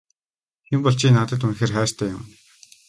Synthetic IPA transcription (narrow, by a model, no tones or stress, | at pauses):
xempɔɮt͡ɕʰiːnaːt̪ə̆t̪̬unxeːrχæːr̥t̪ʰæːjʊ̰m̆n